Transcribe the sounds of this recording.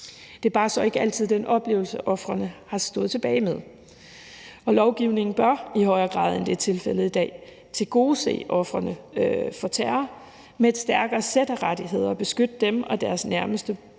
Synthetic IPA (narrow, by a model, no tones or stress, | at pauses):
d̥e̝æɐbɑ̈ːsɒ̽e̝ɡ̥əæl̰t͡sʰið̞̰ˠd̥enʔɒ̽b̥le̝ːʊl̩səʔɒ̽fʁɐnəhɑ̈sd̥ɔ̽ːð̩ˠt͡sʰe̝b̥ɛːɪmeðˠ | ɒ̽lɒʊɡ̥iʊne̝ŋn̩b̥ɶɐihɒ̽ɪɐːɡ̥ʁɑ̰̈ːð̞ˠend̥e̝t͡sʰe̝lfel̰əðˠid̥ɛ̰ː | t͡sʰe̝lɡ̥o̝ːsḛːʔɒ̽fʁɐnəfɒ̽t͡sʰæːɐ | meed̥sd̥æɐɡ̥ɐːsed̥ɐʁad̥iɦe̝ð̞̰ˠɐb̥e̝sɡ̥ød̥əd̥emɒ̽d̥æɐsnæɐməsd̥ə